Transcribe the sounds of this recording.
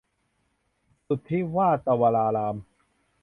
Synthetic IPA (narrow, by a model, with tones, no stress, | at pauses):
su˨˩t̪ʰːi˦˥waː˥˩t̪a˧waː˧laː˧laː˧m